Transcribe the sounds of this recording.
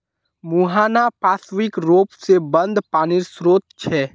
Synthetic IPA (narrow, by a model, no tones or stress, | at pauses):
muɦaːnapaːsʋɪkɾoːpsebə̃nd̪paːnɪɾsɾoːt̪t͡ʃʰɛː